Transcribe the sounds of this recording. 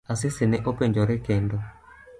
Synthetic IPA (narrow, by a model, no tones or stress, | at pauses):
asɪsɪnɛʔopeɲd͡ʒɔɾɛkɛndɔ